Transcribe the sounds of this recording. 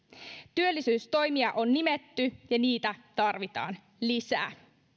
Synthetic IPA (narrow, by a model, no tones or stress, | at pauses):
t̪yølːisyːst̪o̞jmiɑʔo̞nːimet̪ːyjɑniːt̪æt̪ɑrʋit̪ɑ̰ːn | lisæ̰ː